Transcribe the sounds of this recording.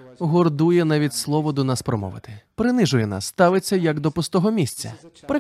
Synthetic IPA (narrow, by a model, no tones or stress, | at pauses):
ɦɔrd̪ujɛnɑʋʲitʲslˠɔʋɔd̪ɔnɑspɾɔmɔ̰ʋɪ̰t̪ɪ̥pɾɪnɪʒʊjɛna̰sːt̪ɑʋɪt͡sʲːɐjɐɡd̪ɔpʊst̪ɔɦɔmʲisʲt͡sʲɐ̰pɾɪ